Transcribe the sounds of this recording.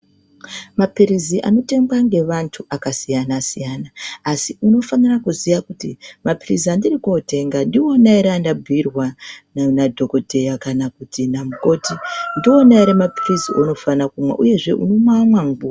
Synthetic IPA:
mapiriziʔa̰no̞te̞ŋɡwaŋɡe̞ʋantʰuʔakasijanasijanaːsiuno̞fanirakuzijakutimapirizandirikote̞ŋɡandio̞naiɾeandabʱirwanadʱo̞ko̞dʱe̞jakanakutinamuko̞tindio̞naiɾemapiriziʔono̞fanakumwḛʔuje̞ʐe̞ʔṵno̞mwamwaŋɡua

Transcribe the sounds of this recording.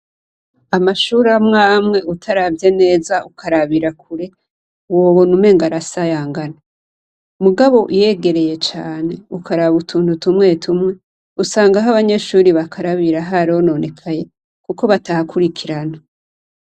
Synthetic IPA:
amaʃuɾamŋaːmŋe̞ʔutʰaɾavje̞ne̞ːzaʔukʰaɾaβiɾak̚ʰuɾe̞ | wo̞βonume̞ŋɡaɾasajaːŋɡana | muɡaβo̞ʔije̞ɡe̞ɾe̞je̞t͡ʃaːne̞ukʰaɾaβutʰuːntutumŋe̞ːtʰumŋe̞ | usaːŋɡaɦaβaɲe̞ʃuːɾiβakʰaɾaβiɾaɦaɾiono̞ne̞kʰaje̞ | kuko̞βatahakuɾikʰiɾana

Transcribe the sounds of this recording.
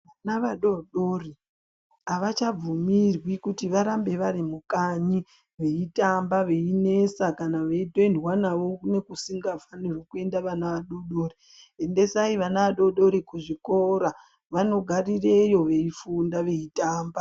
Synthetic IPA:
ʋanaʋaɗo̞ɗo̞ri | aʋat͡ʃab͡vumirwikutiʋaɾambe̞ʋaɾimukaɲi | ʋe̞itambaʋe̞ine̞sakanaʋe̞idʱondwanaʋo̞ne̞kusiŋɡafanirwokue̞ndaʋanaʋaɗoɗoːri | e̞nde̞saiʋanaʋaɗo̞ɗo̞ɾikuʐiko̞ɾa | ʋano̞ɡʱarire̞jo̞ʋe̞ifundaʋe̞itaːmba

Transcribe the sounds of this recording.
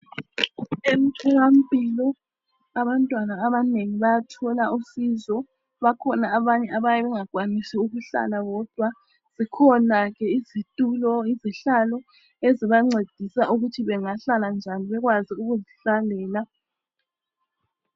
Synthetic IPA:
em̩tʰɔwam̩pʼilɔ | aβantʼwanaːβaneŋiβajatʰɔlaʔusizɔ | βakʰɔnaːβaɲɛʔaβajɛβɛŋaɡ̥ʱwanisiuɣuɬa̰laɣɔd̥ʱwa | z̥ikʰɔnaɣɛizitʼulɔiziɬalɔ | eziβaŋ͡ǀed̥ʱisauɣutʰiβɛŋaɬaland͡ʒʱaniβɛɣwaziuɣuziɬalɛːla

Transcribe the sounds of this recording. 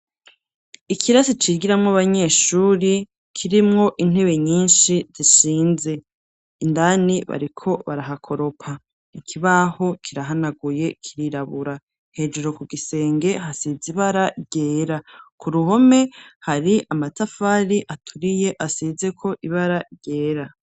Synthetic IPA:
ikʰiɾasit͡ʃiɡiɾamŋaβaɲe̞ʃuːɾi | kʰiɾimŋo̞ʔin̥e̞βe̞ɲiːnʃiz̥iʃiːnze̞ | indaniβa̰ɾikʰo̞βaɾaɦakʰo̞ɾo̞pʰa | ikʰiβaho̞kʰiɾaɦanaɡuje̞kʰiɾiɾaβuɾa | he̞ːd͡ʒeɾo̞kuɡise̞ːŋɡe̞hasiziβaɾaɾɟeːɾakʰuɾuɦo̞me̞haɾiʔamatafaɾiʔatʰuɾije̞ʔasize̞kʰo̞ʔiβaɾaɾɟe̞ːɾa

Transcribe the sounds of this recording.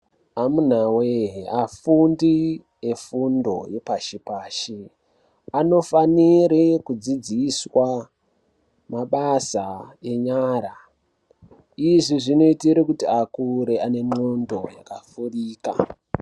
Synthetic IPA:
amun̤aweafundi | e̞fundo̞̰je̞paʃipaːʃi | ano̞faniɾekud͡zid͡ziswa | maɓasae̞ɲaːɾa | iʐiʐino̞itiɾikutiakuɾe̞ane̞mondo̞ja̰kafuriːka

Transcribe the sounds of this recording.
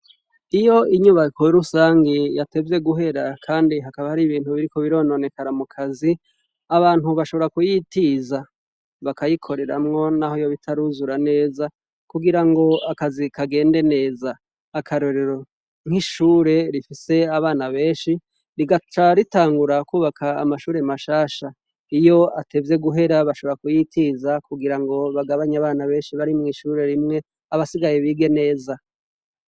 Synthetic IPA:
ijo̞iɲuβakoɾusaːŋɡijate̞vje̞ɡuɦe̞ɾakʰaːndiɦakaβahaɾiβiːn̥huβiɾiko̞βiɾo̞ːno̞ne̞kaɾamukʰazi | aβaːn̥uβaʃo̞βo̞ɾakujitiza | βakajikʰo̞ɾe̞ɾa̰mŋo̞nahojo̞βitʰaɾuzuɾane̞ːza | kuɡiɾaŋɡo̞akazikʰaɡe̞ːnde̞ne̞ːzaː | kʰaɾo̞ɾe̞ɾo̞ | ŋhiʃuːɾe̞ɾifise̞aβaːnaβe̞ːnʃi | ɾiɡat͡ʃaɾitaːŋɡuɾakuːβakʰa̰ːmaʃuːɾemaʃaːʃa | ijo̞atʰe̞vje̞ɡuɦe̞ɾaβaʃoβeɾakujitʰiːzakuɡiɾaŋɡo̞βaɡaβaɲaβaːnaβe̞ːnʃiβaɾimŋiːʃuːɾe̞ɾimŋe̞ | aβasiɡajeβiːɡe̞ne̞ːza

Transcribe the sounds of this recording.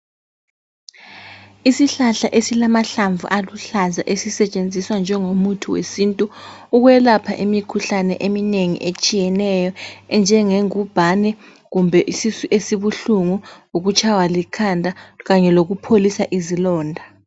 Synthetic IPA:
isiɬaɬaʔesilamaɬaɱvṵʔaluɬaza̰ʔesisɛt͡ʃʼend͡zʱiswand͡ʒʱɛŋomutʰuwḛsintʼuuɣwɛlapʰaʔimikʰuɬanɛ̰ʔemineŋḭʔet͡ʃʼijɛnɛjɔɛnd͡ʒʱɛŋeŋub̥ʱanɛ | ɣumbʱɛʔisisuʔesiβuɬuŋuuɣut͡ʃʼʰawalikʰandʱaɣaɲɛloɣupʰolisaʔizilɔːndʱa

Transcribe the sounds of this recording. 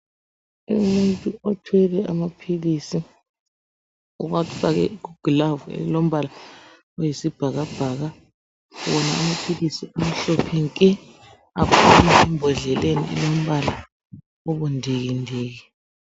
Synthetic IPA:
umuntʼuotʰwɛlɛamapʰilisi | ṵk̬afak̬ɛ̰k̬uɡ̥lavɛ̰lom̩βala | ɔjisib̥ʱaɣab̥ʱaːɣa | wɔnaːmapʰilisiam̩ɬɔpʰɛŋkʼɛ | apʰuaɛmbʱɔɮɛlenḭɛ̰lom̩βala̰ | oɓundʱiɣ̬indʱiːɣi

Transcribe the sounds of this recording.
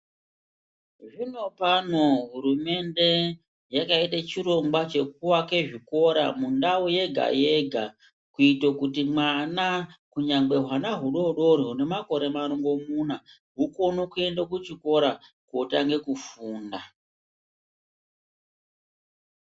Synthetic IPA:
ʐino̞pano̞ɦuɾume̞nde̞ | jakaitat͡ʃiɾo̞ŋɡwat͡ʃe̞k̚uwake̞ʐiko̞ɾa̰mundauje̞ɡʱa̰je̞ɡʱa | kuitokutimwanakuɲaŋɡ͡be̞ɦwanaɦuɗo̞ɗo̞ɾiɦune̞mako̞ɾe̞maɾoŋɡo̞muna | ɦuko̞nokue̞ndakut͡ʃiko̞ɾa | kotaŋɡe̞kufuːnda

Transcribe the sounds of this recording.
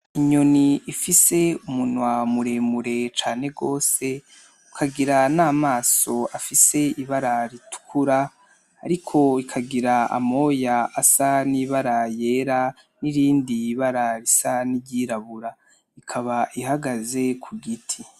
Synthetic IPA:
iɲo̞niːfise̞umunwamuɾe̞muɾe̞t͡ʃaːne̞ɡo̞ːse̞ | ukʰaɡiɾanaːmaːso̞afise̞iβaɾaɾitu̥kʰuɾa̰ː | ɾikʰo̞ikʰaɡiɾaa̰mo̞jaasaniβaɾaje̞ːɾa | niɾiːndiβaɾaɾisaniɟiɾaβuɾa | ikʰaβaʔihaɡaze̞kʰuɡitʰi

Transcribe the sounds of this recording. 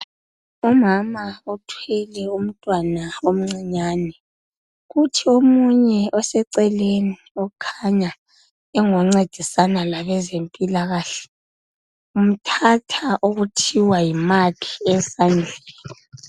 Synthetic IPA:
umamaɔtʰwɛlɛum̩tʼwanaom̩ŋ͡ǀiɲaːnɛ | ɣutʰiomuɲɛʔɔsɛǀɛleni | ɔkʰaɲa | ɛŋɔŋ͡ǀed̥ʱisanalaβɛzempʼilaɣaːɬɛ̥ | um̩tʰatʰaʔoɣutʰiwajimakʰi̥ɛsand͡ɮʱɛːla

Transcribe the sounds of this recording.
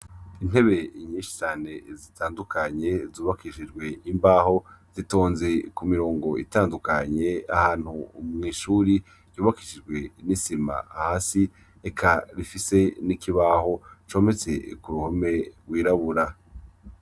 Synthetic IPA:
in̥he̞βe̞ɲĩːnʃi̥t͡ʃaːne̞zitʰaːndukʰaɲe̞zuːβakiʃid͡ʒɡwe̞imbaːho̞ | z̥ito̞ːnze̞kumiɾo̞ːŋɡo̞ḭtaːndukaɲe̞ahaːn̥humŋiːʃuɾi | ɟuːβakiʃid͡ʒɡwe̞nisima̰haːsi | ekʰaɾifise̞nikiβaho̞t͡ʃo̞ːme̞t͡se̞̰kuɾuhome̞ɾwiːɾaβuɾa

